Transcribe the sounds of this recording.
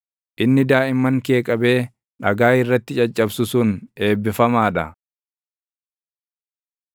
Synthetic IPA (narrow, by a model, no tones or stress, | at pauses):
ʔɪnːɪd̪aːʔɪmːɐŋke̞ːkʼɐbe̞ː | ᶑɐɡaːɪrːɐt̪ːɪt͡ʃʼɐt͡ʃʼːɐbsʊsʊne̞ːbːɪfɐmaːᶑɐ